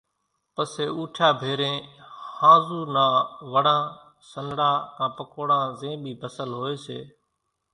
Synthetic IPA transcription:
pəseːuːʈʰaːbʱeːɾẽːhãːzuːnãːʋəɽãː | sənɽaːkãːpəkoːɽãːzẽːɓʱiːpəsəlɦoːeːsḛː

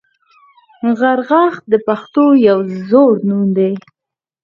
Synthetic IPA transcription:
ɣaɾɣɑx̚d̪əpaxt̪ojawzoɾnund̪e

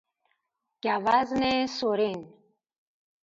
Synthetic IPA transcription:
kavaznesoɾin

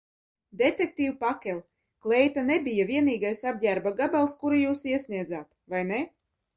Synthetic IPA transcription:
d̪et̪ek̚t̪iːwpakʲɛlʲˠ | klˠɛjt̪anebʲijavʲiɛniːɡajsab̚ʲɟʲæɾbaɡabalˠskuɾijuːsiɛsʲnʲiɛd̪zaːt̪vajnɛ

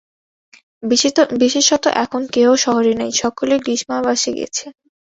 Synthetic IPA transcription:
biʃeʃɔt̪o̰ʔɛkʰonkeoʃɔɦoɾinajʃɔkoleɡɾiʃmabaʃeɡḭet͡ɕʰe

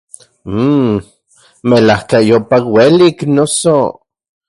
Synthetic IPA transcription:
melahkajopakweliknoso

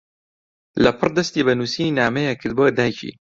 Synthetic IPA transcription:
lɐpʰɨrd̪ɐst̪ibɐnusinaːmɐjakʰɨd̪̚bod̪aːjcʰḭ

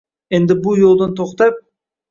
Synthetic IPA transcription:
end̪ɪbujolˠd̪ɑnt̪ʰoqt̪ɑp̚

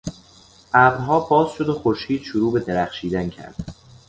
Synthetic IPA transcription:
ʔæbɾɦɒːbɒːzʃod̪oxoɾʃiːd̪̥ʃuɾuːbe̞d̪eɾæxʃiːd̪æncʰæ̰ɾd̪̥

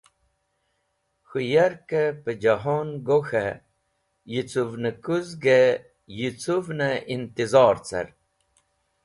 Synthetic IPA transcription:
xujɐɾkepəd͡ʑɐɦonɡoxe | jit͡suvnəkuzɡe | jit͡suvnəint̪izɑːɾt͡sɐ̰ɾ

